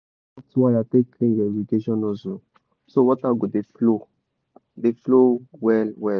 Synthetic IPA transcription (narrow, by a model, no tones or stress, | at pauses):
atswajateklẽvɛviɡeʃɔ̃nɔzo | sowɔtaɡodeflo | deflowɛlwɛ